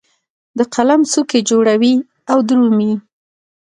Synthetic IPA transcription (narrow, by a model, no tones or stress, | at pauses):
d̪əqalamsuked͡ʒoɽawi | awd̪ɾumi